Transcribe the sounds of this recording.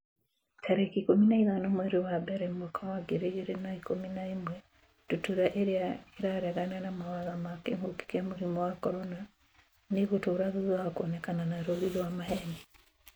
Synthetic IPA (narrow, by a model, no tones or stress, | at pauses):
tʰaɾekikominaiðanomwɛɾewabɛɾɛmwakʰawaɡeɾeeɾenaikominaimwɛ | tutuɾaʔeɾeaeɾaɾɛɣananamawaðamakḛmoki̥kamuɾimɔwakɔɾɔna | neɣotoːɾaðuðaakɔnɛkananaɾoɾiɾwamaɦɛnɛ